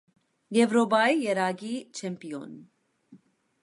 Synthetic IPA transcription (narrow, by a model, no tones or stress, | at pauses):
jɛvɾɔbɑijɛɾɑɡit͡ʃʰɛmpiɔ̰n